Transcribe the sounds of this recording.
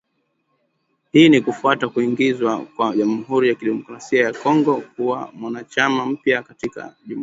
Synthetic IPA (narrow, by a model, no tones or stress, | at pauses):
hiːnikufuatakuiŋɡizwakwaʄam̩ɦuɾijakiɗɛmɔkɾasiajakɔŋɡɔkuwa̰mwanat͡ʃamam̩pjakatika̰ʄu